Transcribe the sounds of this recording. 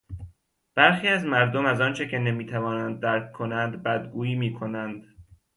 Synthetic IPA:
b̥æɾxiːæzmæɾd̪omæzɒːnt͡ʃʰecʰe̞ne̞miːt̪ʰævɒːnænd̪̚ːæɾkʰːo̞nænd̪bæd̪ɡuːjiːmiːkʰo̞nænd̪

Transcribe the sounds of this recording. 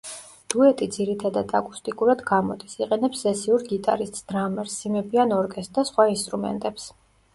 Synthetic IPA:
d̪̥uɛt̪ʼid̪ziɾit̪ʰad̪ad̪ʰakʼu̥st̪ʼikʼuɾad̪ɡamɔd̪isiqʼɛnɛpsːɛsiuɾɡit̪ʼa̰ɾist̪ʼsd̪̥ɾamɛɾsːimɛbianɔɾɡɛst̪̚d̪asχwainst̪ʼɾumɛ̰nt̪ʼɛps

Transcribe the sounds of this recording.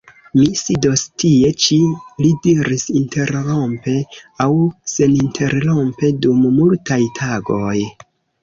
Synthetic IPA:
misido̞stie̞t͡ʃilidiɾisinte̞ɾlo̞mpe̞awse̞nintʰe̞ɾlo̞mpe̞dummultajtʰaɡo̞j

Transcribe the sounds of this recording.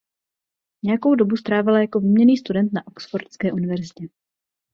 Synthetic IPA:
ɲɛjako̞wdo̞bust̪ɾaːvɪlajako̞viːmɲɛniːst̪udɛnt̪naʔoksfoɾt̪skɛːʔunɪvɛɾzɪcɛ

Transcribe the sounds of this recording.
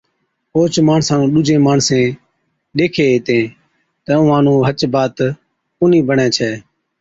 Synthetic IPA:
oːt͡ʃmaːɳsãːnũːɗʊd͡ʒʱẽːmaːɳsẽː | ɗeːkʰeːeːt̪ẽː | t̪əʊːãːnũːɦət͡ʃbaːt̪ | ʊniːbəɳɛ̃ːt͡ʃʰɛː

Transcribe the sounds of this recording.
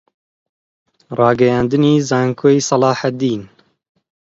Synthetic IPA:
rɑːɡɛjaːnd̪ɨniːzɑːŋkʰoːjsɑlɑːħad̪iːn

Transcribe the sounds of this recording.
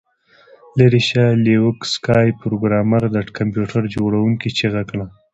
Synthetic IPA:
leɾiʃalewʊkskɑjpɾoɡɾɑmaɾd̪aʈkampjuʈʰaɾd͡ʒoɽawuŋkit͡ʃeɣakɳa

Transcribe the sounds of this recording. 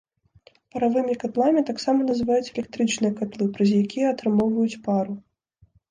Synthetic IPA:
pɐɾavɨmʲikat̪lˠamʲit̪aksamɐnɐzɨvajut͡sʲɛlʲɛk̚t̪ɾɨt͡ʂnɨjɐkat̪lˠɨpɾɐzʲjakʲijɛɐt̪ɾɨmɔwvɐjut͡sʲpaɾu

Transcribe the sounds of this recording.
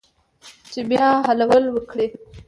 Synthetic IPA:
t͡ʃebjɑɦalawəlwəkɽi

